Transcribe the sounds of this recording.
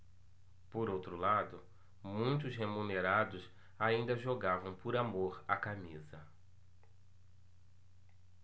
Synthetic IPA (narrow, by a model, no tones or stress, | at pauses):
poɾowt̪ɾʊlad̪ʊ | mũj̃t̪ʊsɦemũneɾad̪ʊs | aĩnd̪ɐʒoɡavɐ̃w̃pʊɾamoɾakamizɐ